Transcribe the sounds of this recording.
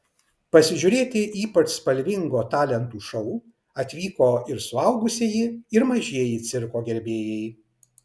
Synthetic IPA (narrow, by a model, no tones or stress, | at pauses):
pɐsʲɪʒʲʊɾʲeːt̪ʲɪʔiːpɐt͡ʃspɐlʲʋʲɪŋɡoːt̪ɑːlʲɛnt̪uːʃɔʊ | ɐt̪ʲʋʲiːkoːɪɾsʊɐʊɡʊsʲɪjiɪɾmɐʒʲiɛjit̪sʲɪɾkoːɡʲɛɾʲbʲeːjɛj